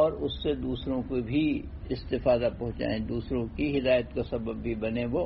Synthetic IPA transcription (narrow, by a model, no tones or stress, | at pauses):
ɔːɾʊsːed̪uːsɾõkobʱi | ɪst̪ɪfaːd̪apɐ̃ɦʊ̃t͡ʃa̰ːẽd̪uːsɾõkiɦɪd̪aːjət̪kasɐbəbːʱibɐnẽʋo